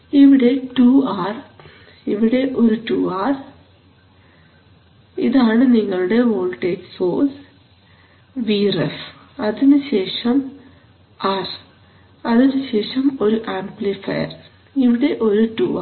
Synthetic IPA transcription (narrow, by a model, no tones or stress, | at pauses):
iʋiɽe̞ʈuːaːr | iʋiɽe̞ʔo̞ɾuʈuːaːr | ḭðaːɳɨniŋːɐɭuɽe̞ʋoːlʈeːɡsoːs | ʋiref | ɐðinuɕe̞ːʂɐm | ɐr | ɐðinuɕe̞ːʂɐmo̞ɾuʔaːmplifɐ̰jɐ̰r | iʋiɽe̞ʔo̞ɾuʈuːa